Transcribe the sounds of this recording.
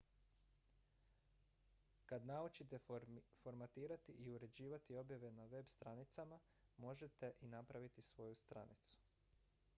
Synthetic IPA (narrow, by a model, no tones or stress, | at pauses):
kad̪naut͡ʃit̪e̞fo̞ɾmat̪iːɾat̪iʔiuɾe̞d͡ʑiːʋat̪io̞bjaʋe̞naʋe̞bst̪ɾanit̪sama | mo̞ʒet̪e̞ʔinapɾaʋit̪isʋo̞just̪ɾa̰nḭt̪su̥